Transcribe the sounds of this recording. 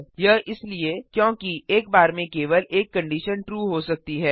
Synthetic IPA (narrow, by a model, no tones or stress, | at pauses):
jɐɦʔɪsliekjõːkiʔeːk̚baːɾmẽkeːʋəleːkːɐ̃ɳɖiːʃənʈɾuːɦosɐk̚t̪iɦɛː